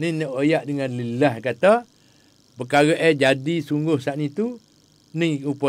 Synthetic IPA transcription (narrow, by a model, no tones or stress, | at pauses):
ninaʔojaʔdəŋanlilahkat̪a | pəkaɣaʔɛd͡ʒadisuŋɡʊhsaʔnit̪u | niupə